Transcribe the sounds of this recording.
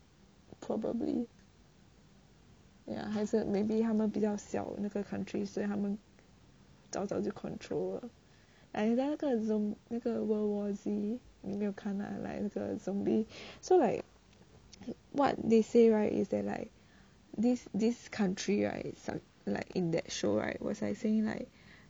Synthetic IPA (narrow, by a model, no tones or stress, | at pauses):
pʰɹɔbə̰blḭ | ja̰ɦazəmebiɦamə̃nbizaʊsa̰ʊ̰̃nakəkʰãntʰɹisoɛɦamə̃n | ta̰saʊtukʰɔ̰̃ntʰɹol | laɪkdalakəzɔ̃mlakəwəwɔzimimiɔkʰãna̰la̰ɪklakə̰zɔ̃mbisolaɪk | wɔ̰t̚deseɹaɪtḭsdɛ̰ʔ̚la̰ɪk̚ | disdiskʰãntʰɹiɹa̰ɪtsa̰ | la̰ɪkĩndɛ̰t̚ʃoɹa̰ɪtwɔ̰saɪseɪ̃ŋla̰ɪk̚